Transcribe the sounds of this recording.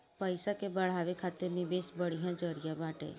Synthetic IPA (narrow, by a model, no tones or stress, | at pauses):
pəjsakebəɭ̤aʋekʰat̪enɪbesbəɽ̤ijãd͡ʒəɾijamaʈḛ